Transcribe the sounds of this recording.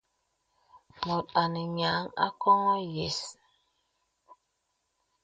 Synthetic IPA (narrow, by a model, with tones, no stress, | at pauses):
mɔ˨ta˨ni˨ɲa˨˦ŋa̰˦kɔ˦ŋɔ˦je˨s